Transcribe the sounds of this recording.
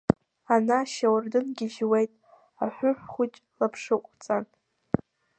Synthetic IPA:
anaʃawrdɨnɡʲɪʒwejtʼ | aħʷʊħʷχʷʊt͡ʃʼlapʰʂɨqʷʼt͡sʼan

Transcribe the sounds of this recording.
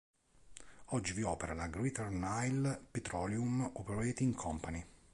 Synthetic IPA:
ɔd͡ʒːiviɔːpeɾalaɡɾit̪ɔrnajlpet̪ɾɔːljumupɾɔɛt̪iŋkʰɔmpani

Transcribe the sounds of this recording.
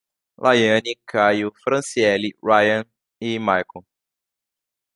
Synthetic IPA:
lʔajɐ̃nikʰajʊfɾɐ̃siɛliɹajɐ̃n | ɪmajko

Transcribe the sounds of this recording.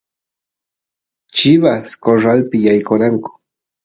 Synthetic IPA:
t͡ʃɪβaskoʐalpɪjajkoɾaŋkʊ̥

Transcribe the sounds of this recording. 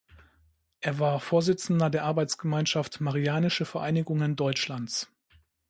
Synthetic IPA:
ʔeːɐvaːɐfoːɐzɪt͡sn̩dɐdeːɐʔaɐbaɪt͡sɡ̥əmaɪnʃaftmaʁiaːnɪʃəfɛɐʔaɪnɪɡʊŋəndɔʏt͡ʃlant͡s

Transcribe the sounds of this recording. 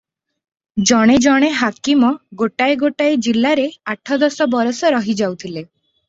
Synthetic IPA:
d͡ʒɔɽ̃ed͡ʒɔɽ̃eɦakimɔɡoʈaeɡoʈaed͡ʒilːaɾeaʈʰɔd̪ɔsɔbɔɾɔsɔɾɔɦid͡ʒawt̪ʰile

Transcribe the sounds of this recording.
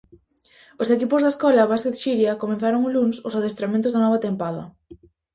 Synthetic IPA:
osekipʊzðaeskɔlɐβasket̪ʃiɾjɐkomẽnθaɾoŋʊlunsʊsaðest̪ɾamẽnt̪ʊzðanɔβ̞ɐt̪empaðɐ̰

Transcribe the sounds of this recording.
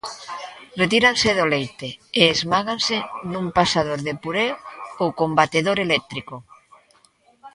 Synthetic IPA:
ret̪iɾanseðolejt̪eeːzmaɣansenumpasað̞oɾðepuɾeoowkombat̪eðoɾelɛk̚t̪ɾiko

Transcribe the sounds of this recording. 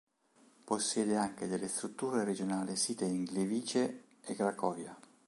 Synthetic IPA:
posːjɛːd̪eaŋk̟ed̪elːest̪ɾut̪ːuːɾeɾed͡ʒonaːlisiːt̪eiŋleviːt͡ʃeː | ɡɾakɔːvja

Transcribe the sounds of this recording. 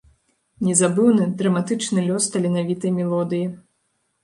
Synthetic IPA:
nʲɛzabɨwnɨd̪ɾɐmat̪ɨt͡ʂnɨlʲɔst̪ɐlʲinavʲit̪ɐjmʲɛlˠɔd̪ɨji

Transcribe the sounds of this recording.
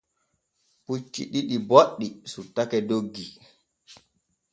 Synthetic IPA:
put͡ʃːḭɗiɗiboɗːisutːakɛdoɡːi

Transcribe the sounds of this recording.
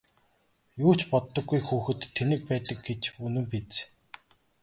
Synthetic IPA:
jʊːt͡ɕpɔt̪ːɞ̆ɡːujxuːxɘ̆t̪ʰːenɘ̆k̚pæːt̪ə̆k̚ɡet͡ɕunɵ̆mpit͡s

